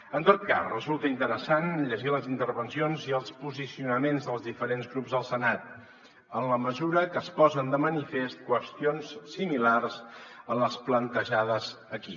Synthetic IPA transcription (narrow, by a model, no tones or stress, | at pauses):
ənt̪ot̪̚ka̰rrəzulˠt̪əint̪əɾəsanʎəʒiləzint̪əɾβənsionziəlˠspuzisiunəmenzðəlˠzðifəɾenzɣɾubzðəlˠsənat̪̚ | ənləməzuɾəkəspɔzənd̪əmənifest̪̚kwəst̪ionssimilarzənləsplənt̪əʒað̞əz | əki